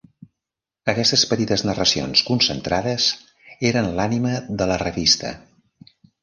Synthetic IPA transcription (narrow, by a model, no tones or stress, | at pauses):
əkɛst̪əspət̪it̪əznərəsio̰nskunsənt̪ɾaðəz | eɾənlaniməðələrəβist̪ə̰